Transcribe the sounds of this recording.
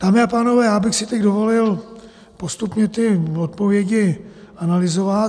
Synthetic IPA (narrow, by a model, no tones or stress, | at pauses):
t̪aːmɪapaːno̞vɛːjaːbɪxsɪt̪ɛɟdo̞vo̞lɪl | post̪upɲɛt̪ɪot̪̚povjɛɟɪanalɪzovat̪